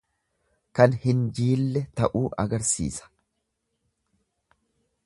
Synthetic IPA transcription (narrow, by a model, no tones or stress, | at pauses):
kɐnhɪnd͡ʒiːlːɛt̪ɐʔuːʔɐɡɐɾsḭːsɐ̥